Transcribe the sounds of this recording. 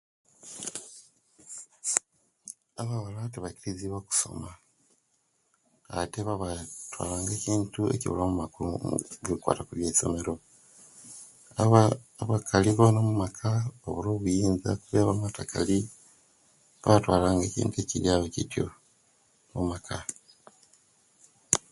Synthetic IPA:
aβaβalateβaciɾiziβwaku̥so̞̰ma | a̰teβaβatwa̰ːlaːŋɡe̞ːciːntue̞̰ciβṵlomumakulṵβulikwa̰ːtakuβje̞ːso̞̰me̞ɾo̞ | βakʰaliβanomumakʰao̰βuloːβujiːnza̰kuβeβamatakʰa̰li | βaβatwaːlaːŋɡe̞ːcḭːntueciɾjaβecitjo̰ | mumakʰa

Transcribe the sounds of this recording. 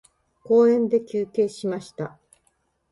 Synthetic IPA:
ko̞ːẽ̞nd̪e̞kʲɨːke̞ːɕimaɕi̥t̪a

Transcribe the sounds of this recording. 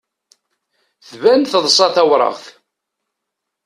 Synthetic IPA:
θvænθəðˤsˤɑθæwɾˤə̰ʁθ

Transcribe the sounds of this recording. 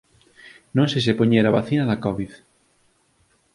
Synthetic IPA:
nõŋsesepoɲeɾaβaθinɐðakɔβið

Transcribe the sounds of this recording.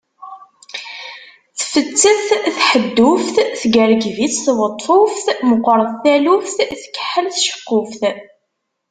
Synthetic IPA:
θfət͡sːəθθħəd̪ːufθθɡəɾɡviθθwət̪ˤːfofθməqːɾˤəðθælufθθkːə̥ħːəlθʃə̥qːʊfθ

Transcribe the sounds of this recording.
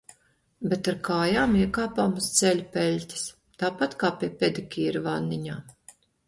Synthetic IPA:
bet̪aɾkaːjaːmiɛkaːpaːmust̪sɛlʲupʲɛlʲtʲi̥s | t̪aːpat̪kaːpʲiɛpʲed̪ikʲiːɾvanːiɲaː

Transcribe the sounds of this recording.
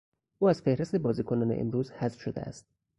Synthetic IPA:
ʔuːæz̥fe̞hɾest̪e̞bɒːziːkʰonɒːneʔḛmɾuːzhæzfʃod̪ḛæ̰st̪̚

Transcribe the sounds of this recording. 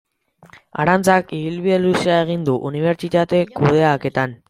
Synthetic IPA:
a̰ɾant͡sakiβilβielusiae̞ɣ̞ind̪uʔuniβ̞e̞ɾt͡ʃit̪at̪e̞kuð̞e̞ake̞t̪an

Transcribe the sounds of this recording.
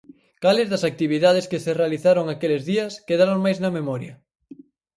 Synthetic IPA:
kalɪzðɐsak̚t̪iβiðað̞eskeserealiθaɾoŋakelɪzðiɐskeðaɾoŋmajznɐmemɔɾjɐ

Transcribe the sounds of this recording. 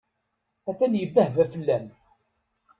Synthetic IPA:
æθænjəbːæhvæfəlːæm

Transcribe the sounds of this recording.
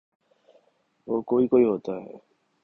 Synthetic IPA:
okoikojot̪a

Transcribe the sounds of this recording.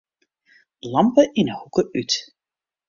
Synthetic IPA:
lɑmpəʔɪnəhukəʔyt

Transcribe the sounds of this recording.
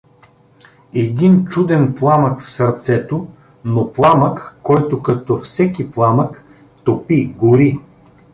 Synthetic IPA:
ɛd̪int͡ʃud̪ɛnplˠaməkfsɐɾt̪sɛt̪o | noplˠaməkːɔjt̪okɐt̪ɔfsɛkiplˠamək | t̪opiɡʊɾi

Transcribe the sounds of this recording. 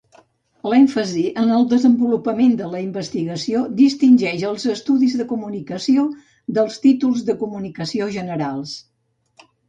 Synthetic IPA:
lɛɱfəziʔənəlˠd̪əzəmbulupəmend̪ələimbəst̪iɣəsiod̪ist̪inʲʒɛʃəlˠzəst̪uðizðəkumunikəsio | d̪əlˠst̪it̪ulˠzðəkumunikəsioʒənəɾalˠs

